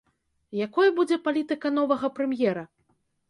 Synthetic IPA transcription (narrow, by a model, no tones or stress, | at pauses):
jakɔjɐbud͡zʲɛpalʲit̪ɨkɐn̪ɔvɐɣɐpɾɛmjɛɾɐ